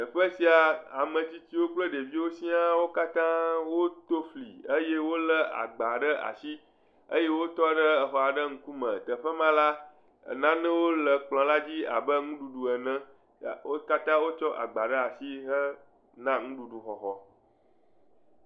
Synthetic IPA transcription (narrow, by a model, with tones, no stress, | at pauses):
t̪ə˨ɸə˦si˨a˨a˨mə̃˨t͡ɕi˦t͡ɕi˦wo˦k͡plə˦ɖe˨vi˦wo˦si˦a˦wo˦ka˦t̪ã˦wo˦t̪o˦flḭ˨ə˦je˦wo˦lə˦a̰˨ɡ͡ba˨ɖə˦ʔa̰˨si˦ | ə̰˦je˦wo˦t̪ɔ˦ɖə˦ə˨xɔ˨a˨ɖə˦ŋ̩̃˦ku˦mə̰̃˨t̪ə˨ɸə˦mã˦la̰˦˨ | nã˦nɛ̃˦wo˦lə˨k͡plɔ̃˨la˦d͡ʑi˦a̰˨bə˦ŋũ˦ɖu˨ɖu˨ə˨nɛ̃˦˨ | o˦ka˦t̪ã˦wo˦t͡ʃɔ˦ʔa̰˨ɡ͡ba˨ɖə˦a˨si˦ɦə˦ | nã˦ŋũ˦ɖu˨ɖu˨xɔ˨xɔ˨